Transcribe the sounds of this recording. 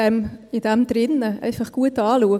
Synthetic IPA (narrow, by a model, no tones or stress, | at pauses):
ɛmɪdɛmd̥̪ɾɪnəɛ̰ɪfɑχɡ̥uətɑːluə